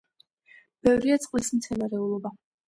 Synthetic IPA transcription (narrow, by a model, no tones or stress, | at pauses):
b̥ɛvɾiat̪sʼqʼwism̩t̪sʰɛnaɾɛulˠɔba